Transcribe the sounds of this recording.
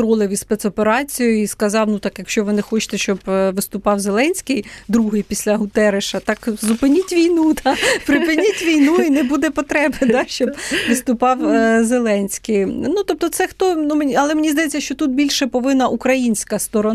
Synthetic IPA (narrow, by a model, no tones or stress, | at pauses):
ɾɔlˠɪʋʲispɛt̪sɔpeɾɑt͡sʲijʊiskɐzɑwnut̪ɑkjɐkʃʲt͡ʃɔʋɪnɛxɔt͡ʃɪ̥t̪ɛʃt͡ʃɔbʋɪst̪ʊpɑwzelˠɛnʲsʲkɪjd̪ɾuɦɪjpʲisʲlʲɐɦʊt̪ɛɾɪʃɐt̪ɑkzʊpɪnʲitʲʋʲijnud̪ɑpɾɪpɪnʲitʲʋʲijnuinɛbud̪ɛpɔt̪ɾɛbed̪ɑʃt͡ʃɔbʋɪst̪ʊpɑwzelˠɛnʲsʲkɪjnut̪ɔp̚t̪ɔt̪sɛxt̪ɔnumnʲɐlˠɛmenʲizd̪ɐjet͡sʲːɐʃt͡ʃɔt̪ut̪̚bʲilʲʃɛpɔʋɪnːɐʔukɾɐjinʲsʲkɐst̪ɔɾɔ